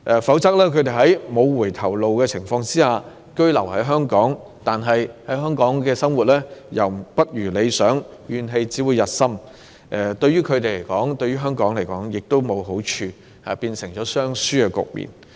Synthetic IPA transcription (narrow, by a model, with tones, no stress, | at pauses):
ʔɛ˨˧fɐ˨˥wt͡sɐ˥k̚lɛː˥kʰɵ˨˧t̪̬e˨jɦɐ˨˥jmo˨˧wwuː˨˩jt̪ʰɐ˨˩wlo˨wkɛː˧t͡sʰɪ˨˩ŋfɔː˧ŋt͡siː˥haː˨ | kɵ˥ɥlɐ˨˩whɐ˨˥jɦœː˥ŋkɔː˨˥ŋ | t̪aː˨nɦɐ˨jhɐ˨˥jɦœː˥ŋkɔː˨˥ŋkɛː˧sɐ˥mwu˨t̚lɛː˥jɐ˨wpɐ˥t̚jyː˨˩le˨˧jsœː˨˥ŋɥyː˨nɦe˨˧jt͡siː˨˥wu˨˧jɐ˨t̚sɐ˥m | ʔɛ˧t̪ɵ˧ɥyː˥kʰɵ˨˧t̪e˨jle˨˩jkɔː˨˥ŋt̪ɵ˧ɥyː˥ɦœː˥ŋkɔː˨˥ŋle˨˩jkɔː˨˥ŋjɪ˨k̚t̪o˥wmo˨˧wɦo˨˥wt͡ʃʰyː˧ | a̰ː˨piː˧nsɪ˨˩ŋt͡ʃɔː˨˥sœː˥ŋsyː˥kɛ˧kʊ̰˨k̚mḭː˨n